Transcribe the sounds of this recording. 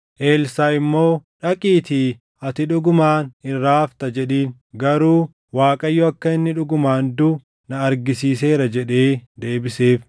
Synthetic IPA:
ʔe̞ːlsaːɪmːo̞ːᶑɐkʼiːt̪i | ɐt̪ɪᶑʊɡʊmaːnɪrːaːft̪ɐd͡ʒɛᶑiːn | ɡɐɾuː | waːkʼɐjːɔɐkːɐɪnːɪᶑʊɡʊmaːnd̪ʊː | nɐɐɾɡɪsiːse̞ːɾɐd͡ʒɛᶑe̞ːd̪e̞ːbɪse̞ːf

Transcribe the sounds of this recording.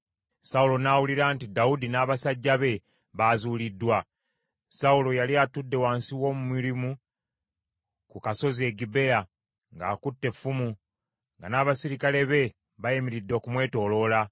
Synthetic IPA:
saulo̞naːwuliɾaːntidaudinaːβasaɟːaβe̞ | βaːzuːlidːwa | saulo̞jaliatudːe̞waːnsiwo̞ːmumiɾimu | kukaso̞zie̞ɡibe̞ja | ŋɡaːkutːe̞fumu | ŋɡanaːβasiɾikale̞βe̞ | βajemiɾidːoːkumwe̞ːto̞ːlo̞la

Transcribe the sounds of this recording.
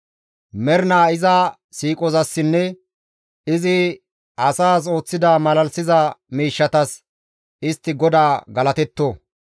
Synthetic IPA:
mɛɾnaːɪzɐ | siːkʼɔzɐsːɪnːɛ | ɪzɪ | ɐsaːs̬o̞ːt͡sːɪd̪aːmɐlɐlsɪzɐmiːʃːɐt̪ɐs | ɪst̪ːɪɡɔd̪aːɡɐlɐt̪ɛt̪ːoː

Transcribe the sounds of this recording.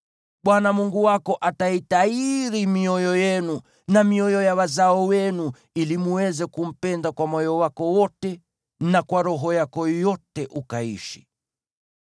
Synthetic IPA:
ɓwanamuŋɡuwakɔʔataitaiɾimiɔjɔjɛnu | namiɔjɔjawazaɔwɛnu | ilimuwɛzɛkum̩pɛndakwamɔjɔwakɔwɔtɛ | nakwaɾɔɦɔjakɔjɔtɛʔukaḭʃi̥

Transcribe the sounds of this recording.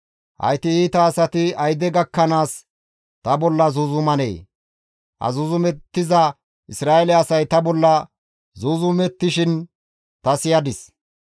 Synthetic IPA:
hɐ̰jt̪ɪiːt̪ɐːsɐt̪ɪɐjd̪ɛɡɐkːɐnaːs | t̪ɐbɔlːɐzʊzʊmɐnḛː | hɐ̰zʊzʊmɛt̪ːɪzɐ | ʔɪsɾaːɛlɛɐsɐjt̪ɐbɔlːɐ | zuzʊmɛt̪ːɪʃɪn | t̪ɐsɪjɐd̪ɪs

